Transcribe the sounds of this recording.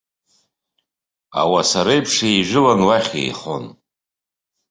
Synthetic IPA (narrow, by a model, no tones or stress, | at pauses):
a̰wasaɾajpʰʂijʒɪlanwaχʲḛjχo̞̰n